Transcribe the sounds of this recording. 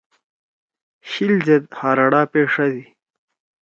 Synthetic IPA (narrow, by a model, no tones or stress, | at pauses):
ɕild͡ʑed̪haːɾɐɽaːpeːʂɐd̪i